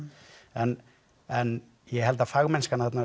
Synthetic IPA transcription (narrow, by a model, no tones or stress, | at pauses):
ɛn | ɛn | jɛɦɛlt̪afaɣmɛnskanaθɛt̪na